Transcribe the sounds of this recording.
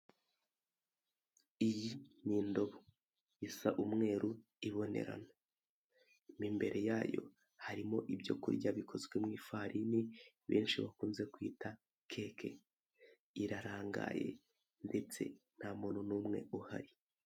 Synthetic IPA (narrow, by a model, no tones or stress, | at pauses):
ijiniːndo̞βo | isaʔumŋe̞ːɾu | iβo̞ne̞̰ɾa̰na | miːmbe̞ɾʔe̞jaːjo̞̰ | haɾimo̞ʔibjo̞̰kṵɾɟaβikʰo̞zɡwe̞mŋiːfaɾini | βḛːnʃiβakuːnze̞kwiːta | kʰe̞ːkʰe̞ | iɾaɾaːŋɡa̰je̞̰ | nde̞t͡se̞̰n̥hamununuːmŋe̞̰uha̰ɾi